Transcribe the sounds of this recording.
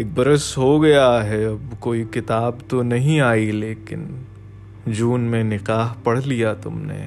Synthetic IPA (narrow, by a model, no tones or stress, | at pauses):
eːk̚bɐɾəsɦoɡɐjaɦɛɐbkoːikɪt̪aːbt̪onɐɦĩaːileːkɪn | d͡ʒuːnmẽnɪqaːɦpɐɽ̤lijat̪ʊmnḛː